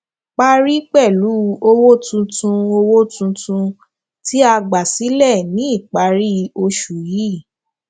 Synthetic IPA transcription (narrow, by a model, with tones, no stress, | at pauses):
k͡pa˦ɾi˦k͡pɛ˦˨lu˨˦o˧wo˦tũ˧tũ˧o˧wo˦tũ˧tũ˧ | ti˦a˧ɡ͡ba˨si˨˦lɛ˦˨nĩ˦i˦˨k͡pa˨˦ɾi˦˧o˧ʃu˨ji˨˦˨